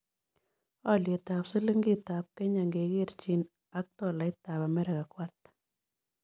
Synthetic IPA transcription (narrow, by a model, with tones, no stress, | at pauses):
a˦˨lje˨ta˨psɨ˦lɨ˦ŋɡi˦ta˨p̚ke˦ɲa˨ŋɡe˨ɡe˦˨ɾt͡ʃi˨n | a˦k̚tɔ˦˨la˨ɪ˦t̪a˨ba˨mɛ˦ɾa˨ka˨kwa˦t̪̚